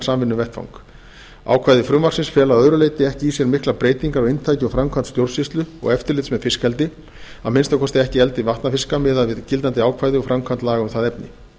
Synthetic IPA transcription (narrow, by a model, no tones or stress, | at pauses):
saːmvɪnːʏvɛht̪fa̰wŋk | a̰ːwkʰvaːjðɪfɾʏmvarsɪnsfjɛːlaðœðɾʏleːjt̪ɪɛhcɪisjɛɾmɪhklapɾeːjt̪iŋkaɾɔɣejnt̪ʰaːjcɪɔfɾamkʰant̪st̪jowɾ̥sist̪lʏɔ̰ɣɛft̪ɪɾlɪt̪smɛðfɪskɛlt̪ɪ | aðmɪnst̪akʰɔst̪ɪɛhcɪɛlt̪ɪvaht̪nafɪskamɛːðaðvɪðcɪlt̪̬ant̪ɪaːwkʰvaːjðɪɔfɾamkʰant̪laːɣʏmθaðɛpnɪ̰